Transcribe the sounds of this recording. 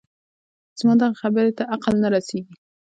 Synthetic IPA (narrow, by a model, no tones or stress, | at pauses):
z̥mɑd̪aʁχabaɾet̪aʔaqalnaɾaseɡi